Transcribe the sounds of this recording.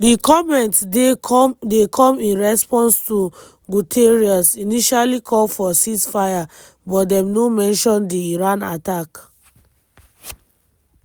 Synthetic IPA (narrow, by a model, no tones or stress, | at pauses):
dikɔmɛ̃nt | dekʰɔ̃mĩnɹɛspɔ̃nstu | ɡutʰeɹiɔsiniʃalikʰɔlfɔsisfaja | bɔtdɛ̃mnomɛ̃nʃɔ̃ndiːɹãnatak